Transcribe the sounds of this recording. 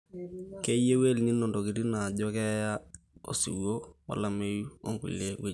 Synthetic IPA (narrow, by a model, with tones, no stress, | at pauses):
ke˦je˦we˦lni˦nɔ˨ndɔ˨ki˨ɾi˦na˨ɟɔ˦kɛ˦ja˦o̰˨sḭ˨wo˦wa̰˨la˦me˦ju˦o̰˦ŋkṵ˨lːe˦we˦